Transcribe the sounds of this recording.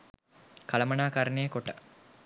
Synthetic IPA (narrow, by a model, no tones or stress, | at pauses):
kɐlɐmɐnaːkaɾnejːkoʈɐ